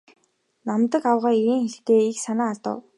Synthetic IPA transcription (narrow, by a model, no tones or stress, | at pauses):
namt̪ə̆kawʁaːiɾiːŋxeɮt̪eːiksanaːt̪ə̰̆w